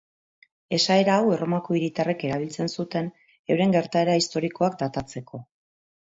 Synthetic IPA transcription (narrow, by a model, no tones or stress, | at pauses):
e̞sae̞ɾaːwe̞ro̞mako̞iɾit̪are̞ke̞ɾaβ̞ilt͡se̞nsut̪e̞n | e̞wɾe̞ŋɡe̞ɾt̪ae̞ɾaist̪o̞ɾiko̞ak̚d̪at̪at͡se̞kʰo̞